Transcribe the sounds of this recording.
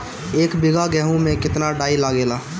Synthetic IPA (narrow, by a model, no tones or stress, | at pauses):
eːkbɪɡaɡɛːɦũmẽkɪt̪naɖaːilaːɡeːlaː